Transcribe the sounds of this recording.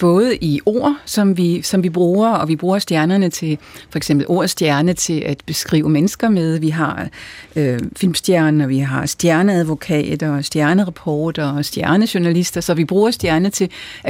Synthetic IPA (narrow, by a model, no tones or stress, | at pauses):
b̥ɔ̽ːð̞̩ˠʔio̝̰ːɐ̰sɒ̽mʋisɒ̽mʋib̥ʁuːɐɒ̽ʋib̥ʁuːɐsd̥jæɐnɐnət͡sʰe̝lfɒ̽eɡsemb̥l̩ʔo̝ːɐ̰sd̥jæɐnət͡sʰe̝lʔæd̥b̥e̝sɡ̥ʁḭːʊəmenəsɡ̥ɐmeð̞ˠʋiɦɑ̈øfilmsd̥jæɐnɒʋiɦɑ̈sd̥jæɐnəæðˠʋo̝kʰɛ̰ːd̥ɐːsd̥jæɐnəʁɑpʰɒːd̥ɐːsd̥jæɐnəɕuɐnælisd̥ɐsɒ̽ʋib̥ʁuːɐsd̥jæɐnət͡sʰe̝